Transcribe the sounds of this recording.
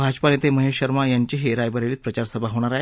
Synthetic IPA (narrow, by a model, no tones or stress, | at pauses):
bʱad͡ʑpanet̪eməɦeɕəɾmajaɲt͡ɕiɦeɾajbəɾeliːt̪̚pɾət͡ɕaɾsəbʱaɦoɽ̃aɾaɦe